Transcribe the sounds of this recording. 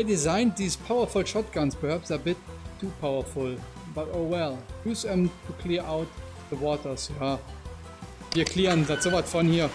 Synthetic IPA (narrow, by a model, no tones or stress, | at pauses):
ɪdɪzãɪ̃nd̚ðiːzpʰaʊə˞fʊlʃɔt̚ɡ̥ãnspʰəhæpsabɪtʰːuːpʰaʊə˞fʊl | b̥atoʊwɛljuːzðɛ̃mtʰukʰl̥iɐʔaʊt̚ | ðəwɔːtə˞sja | viːɐkʰl̥iːʁə̃nðatz̥ovatfɔ̃nhiːɐ